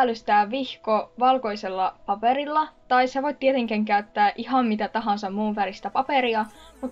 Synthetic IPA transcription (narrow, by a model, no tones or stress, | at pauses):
lːyst̪æːʋʋihkoʋɑlko̞jselːɑpɑpeɾilːɑt̪ɑiseʋojt̪̚t̪iet̪eŋkæŋkæyt̪ːæːʔihɑmmit̪æt̪ɑɦɑnsɑmmuːʋʋælist̪æpɑpeɾiɑmut̪